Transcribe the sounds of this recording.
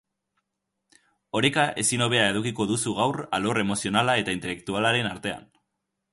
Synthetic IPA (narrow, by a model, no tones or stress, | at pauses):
o̞ɾekaʔe̞sino̞β̞e̞ae̞ðukiko̞ðusuɣawra̰lo̞re̞mo̞sio̞nalae̞t̪aint̪ele̞k̚t̪ualaɾe̞naɾt̪e̞a̰n